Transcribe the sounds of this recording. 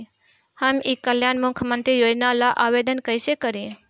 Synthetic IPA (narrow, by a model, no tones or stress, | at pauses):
həmikːəljaːnmʊkʰːjəmə̃nt̪ɾijoːd͡ʒnalaʔaːʋeːd̪ənkəɪsekəɾĩ